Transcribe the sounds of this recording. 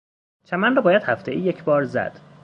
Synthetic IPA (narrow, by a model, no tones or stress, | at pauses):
t͡ʃʰæmænrɒːbɒːjæd̪̥hæft̪eʔiːjecʰbɒːɾzæ̰d̪̥